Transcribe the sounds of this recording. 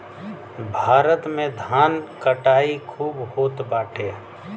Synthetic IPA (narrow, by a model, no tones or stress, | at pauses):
bʱaːɾət̪mẽd̪ʱaːnkəʈaːikʰuːbhoːt̪baːʈʰeː